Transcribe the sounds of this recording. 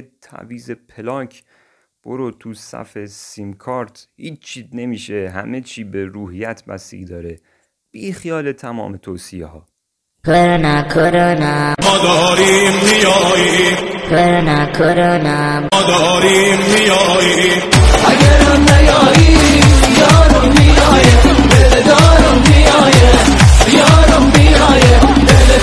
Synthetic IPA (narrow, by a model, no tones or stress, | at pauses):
et̪ʰæ̰viːzepʰelɒːkʰ | b̥oɾot̪ʰusæ̰fesimkʰɒːɾt̪hiːt͡ʃt͡ʃʰːiːzne̞miːʃeɦæ̰met͡ʃʰiːbeɾuːhijæt̪ʰvæ̰sḭːɡd̪ɒːɾe | b̥iːxijɒːlet̪ʰæmɒ̰ːmet̪ʰoːsiḛhɒː | pʰeɾnakʰoɾɒnæmːd̪ɒɔɾiːmːijɒjikʰeɾnækʰoɾɔnæ | mːd̪ɔɾimːijɔjiʔæɡæɾannæjɒːjimijɒːɾomijɒːje | besed̪ɒːɾomijɒːje | ijɒːɾombijɒːje | be